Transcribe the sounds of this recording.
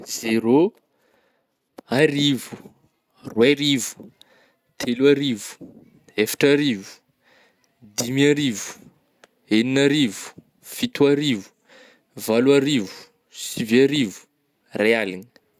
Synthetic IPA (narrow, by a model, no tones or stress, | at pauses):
zeɾo | aɾivu̥ | rweɾivu̥ | t̪ʰeluaɾivu̥ | efḁʈ͡ʂaɾivu̥ | d̪imiaɾivu̥ | eninaɾivu̥ | fit̪uaɾivu̥ | valuaɾivu̥ | siviaɾivu̥ | realini̥